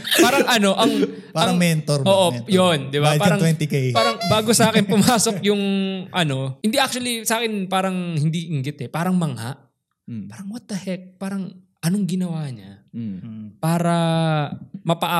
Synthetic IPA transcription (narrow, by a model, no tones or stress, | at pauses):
paːɾɐŋʔɐno̞ʔɐŋ | paɐɾɐŋmɛnt̪oɾoːʔojond̪ɪbaaːɾɐŋwɛnt̪ikejpaːɾɐŋbaːɡosɐʔaːkɪnpʊmaːsok̚jʊŋʔɐno̞hɪnd̪iʔak̚t͡ʃuɐlisɐʔaːkɪnpaːɾɐŋhɪnd̪iʔɪŋɡɪt̪ɛpaːɾɐŋmɐŋha̰ʔ | paːɾɐŋwɐt̪ɐhɛk̚paːɾɐŋ | ʔɐnoŋɡɪnɐwaːɲa̰ | paːɾɐ | mɐpɐʔa